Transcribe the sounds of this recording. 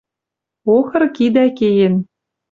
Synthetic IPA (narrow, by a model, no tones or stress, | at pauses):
oxɤ̆rkid̪ækejĕn